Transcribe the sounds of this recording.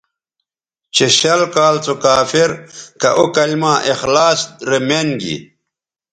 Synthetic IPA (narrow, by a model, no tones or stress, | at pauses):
t͡ɕeɕɐlkaːlt͡sokaːfiɾkɐʔokɐlmãːʔixlaːsɾemenɡḭ